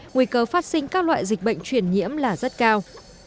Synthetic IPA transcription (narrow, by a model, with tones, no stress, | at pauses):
ŋwi˧kəː˧faː˦˥t̚sï˧ŋ̟kaː˦˥k̚lwa̰ː˧˨jzï˨˩k̟̚ɓə̰˧˨jŋ̟t͡ɕwi˨˩ənɲḭ˧˥əmlaː˨˩zə˦˥t̚kaː˧w